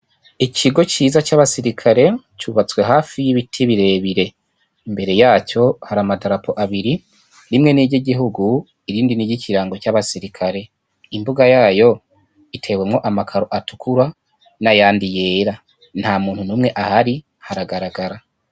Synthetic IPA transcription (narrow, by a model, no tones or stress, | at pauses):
icʰiɡo̞t͡ʃiːzat͡ʃaβasiɾikʰaɾe̞ | t͡ʃuβat͡swe̞ɦaːfijiβitʰiβiɾe̞βiɾe̞ | imbe̞ɾe̞jaːco̞haɾamadaɾapʰo̞ʔaβiɾi | ɾimŋe̞niɟiɟiɦuɡu | iɾiːndiniɟicʰiɾaːŋɡo̞caβasiɾikʰaɾe̞ | imbuɡajaːjo̞ | itʰe̞we̞mŋo̞ʔamakʰaɾo̞ʔatu̥kʰuɾa | najaːndije̞ːɾa | n̥haːmuːn̥hunumŋe̞ʔahaɾi | haɾaɡaɾaɡaɾa